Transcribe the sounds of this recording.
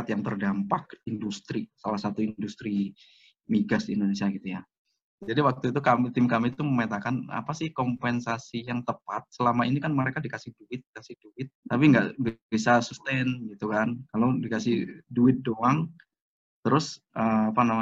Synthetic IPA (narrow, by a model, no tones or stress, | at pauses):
at̪jaŋt̪ərdampak̚indust̪ɾisalahsat̪uindust̪ɾi | miɡasdiːndonesiaɡit̪uja | d͡ʒadiwak̚t̪uit̪̬ukamit̪ɪmkamit̪uməmet̪akana̰pasɪhkɔmpɛnsasijaŋt̪əpat̪̚səlamainikanməɾekadikasɪhduɪt̪̚dikasɪhduɪt̪̚ːapiŋɡa̰ʔbisasust̪ɛnɡit̪ukankalodikasɪhduɪt̪̚doaŋ | t̪əɾʊsʔəapanama